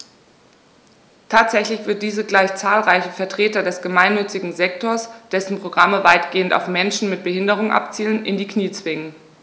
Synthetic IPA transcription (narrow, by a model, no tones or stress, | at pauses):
tʰaːtz̥ɛçlɪçv̥ɪɐt̚d̥iːzəɡlaɪçt͡saːlʁaɪçəfɛɐtʁ̥eːtɐdɛsɡ̥əmaɪnːʏt͡sɪɡŋ̩zɛktoːɐsd̥ɛsn̩pʁ̥oɡʁaməvaɪtɡ̥eːənta̰ʊfmɛnʃn̩mɪt̚b̥əhɪndəʁ̞ʊŋʔa̰pt͡siːlənʔɪndiːkʰniːt͡sv̥ɪŋən